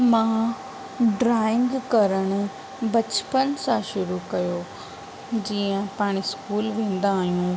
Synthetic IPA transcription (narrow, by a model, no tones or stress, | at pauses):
mãː | ɖɾaːɪ̃ŋɡkɐɾəɽ̃ʊ̆ | bɐt͡ɕpənsãʃʊɾukɐjo | d͡ʑiːə̃paːɽ̃iskuːlʋẽːn̆d̪aːɦijũː